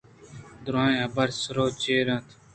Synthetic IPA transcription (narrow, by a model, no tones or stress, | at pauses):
d̪ʊɾãːjɐbɐɾsɾoːt͡ɕeːɾãːt̪ʰ